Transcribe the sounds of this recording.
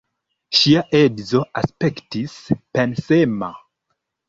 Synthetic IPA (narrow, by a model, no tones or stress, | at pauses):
ʃiaʔedzo̞ʔaspektispensema